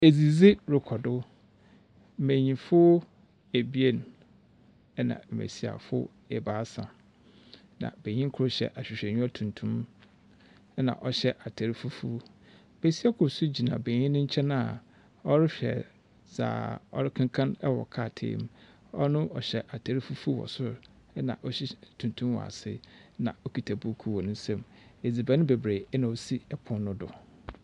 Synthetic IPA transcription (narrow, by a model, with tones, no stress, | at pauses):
e˨zi˨zi˦ɾɪ˨kʰɔ˨dʊ˦˨ | mæ̃˨ɲĩ˨fʊ˦ | æ˨bi˦e˦n˨ | ɛ˦nã̰˨m̩˨mḛ˨si˦a̰˨fʊ̰˦ | ɛ˨baː˨˦sã̰˨ | nã̰˨bẽ˨ɲĩ˦kʰʊ˦ɾʊ˦ɕɛ̰˨ʔa˨ɕᶣɪ˨ɕᶣɛ˨ɲũ˦a˦tʰũ˨n˨tʰũ˦m˦ | nã̰˨ʔɔ˦ɕɛ˦ʔa˨tʰæ˨ɾi˦fu˦fu˦ | be˨si˦a˦kʰʊ˨su˦d͡ʑi˨nã̰˨bẽ˨ɲĩ˦nʊ̃˦ɲ̩˦t͡ɕʰɛ˦nã˦a˨ | ɔ˦ɾɪ˦ɕᶣɛ̰˨ | sa̰ː˨ɔ˦ɾɪ˦kʰã˦ŋkʰã˦nɛ˦wɔ̰˨kʰa˦˨tʰḛː˦m˦ | ɔ˦nʊ̃˦ʔɔ˨ɕɛ˨ʔa˨tʰæ˨ɾi˦fu˦fu˦wɔ̰˨sʊ˦ɾ | ɛ˦nã̰˨ʔɔ˦ɕɛ˦tʰũ˨ntʰũ˦mwɔ̰˨a̰˨sɪ˦nã̰˨o˦kʰi˨tʰa˨bu˦kʰu˦wɔ˨nʊ̃˦sɛ̃˦˨m | e˨d͡zi˨ba˦nʊ̃˦be˨bɾe˨ɛ˦nã˨o˦si˦ɛ˨pʰʊ̃˦nnʊ̃˦dʊ˨